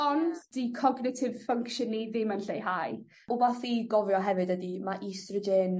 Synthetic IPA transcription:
ɔndd̥ikʰɔɡnɪtʰɪv̥fəŋkʃəniðɪmənɬejɦaj | ubaθiɡɔvjɔɦɛvɨdədimaʔistrɪdɪn

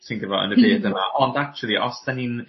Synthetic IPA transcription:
sinɡəvɔ̰ə̰nəbeːdənaʔɔndak̚t͡ʃʰuəlˠiʔɔsd̥anin

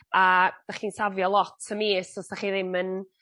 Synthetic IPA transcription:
ad̥aχiːnsavjɔlˠɔtʰəmisɔsd̥aχiːðɪmən

